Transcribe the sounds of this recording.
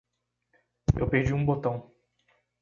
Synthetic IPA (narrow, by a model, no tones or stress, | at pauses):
ḛwped͡ʒiũbot̪ɐ̃w̃